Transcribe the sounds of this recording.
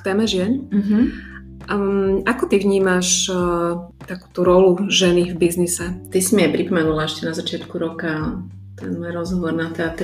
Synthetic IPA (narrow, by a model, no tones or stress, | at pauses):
kt̪ɛːmɛʒɪɛn̩ɦ̩ | akɔt̪ivɲiːmaʃ | t̪aku̥ːt̪uɾɔluʒɛnivbiznisɛt̪isimiajpɾipɔmɛnulaɛʃcɛnazat͡ʃɪat̪kuɾɔka | t̪ɛ̰nmɔjɾɔzɦɔʋɔɾnat̪ɛat̪